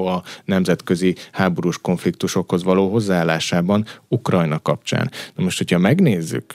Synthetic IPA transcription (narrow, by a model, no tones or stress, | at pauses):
ɒnɛmzɛt̪køzihaːbo̞ɾuʃko̞ɱflikt̪uʃo̞kho̞zʋɒloːɦo̞zːaaːlːaːʃaːbɒnukrɒjnɒkɒp̚t͡ʃa̰ːnnɒmoʃt̪ho̞chɒmɛɡneːzːy̰k